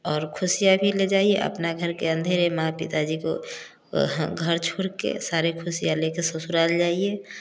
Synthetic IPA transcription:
ɔːɾkʰʊsijabʱiled͡ʒaːieʔə̰pnaɡʱəɾkeə̃nd̪ʱeːɾemãpɪ̰t̪ad͡ʒiko̰ | ɡʱəɾt͡ʃʰuɽkḛsaːɾekʰʊsijalekesəsuɾaːld͡ʒaːie

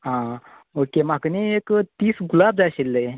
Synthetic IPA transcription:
ɦã | okemakəniekt̪iːsɡulab̚d͡zaɕilːe

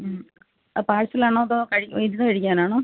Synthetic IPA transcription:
paːɻsilaːɳoðokɐɻijðinːɨkɐɻikʲːaːnaːɳo

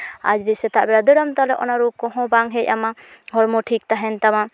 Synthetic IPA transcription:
a̰d͡ʒɾisɛt̪aʔbɛɾad̪ɔɽɔmt̪alɛʔɔnaɾukɔɦɔ̃baŋɦɛcamaɦɔɽmɔʈʰik̚t̪aɦɛnt̪ama

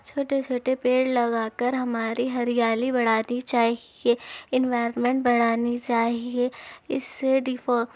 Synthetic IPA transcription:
t͡ʃʰoːʈet͡ʃʰoːʈepeːɽlɐɡaːkəɾɦɐmaːɾiɦɐɾijaːlibɐɽ̤aːnit͡ʃaːɦieɪ̃nʋaːɪɾənmẽɳʈ̚bɐɽ̤aːnit͡ʃaːɦieɪ̰sːeɖifo

